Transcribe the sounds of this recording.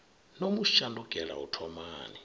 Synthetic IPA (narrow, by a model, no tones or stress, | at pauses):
nomuʃanduɡ̥ʱɛla̰ṵtʰɔmaːni